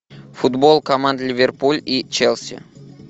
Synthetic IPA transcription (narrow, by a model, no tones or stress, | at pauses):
fʊd̪bolˠkɐmand̪lʲɪvʲerpulʲit͡ɕelʲˠsʲɪ̰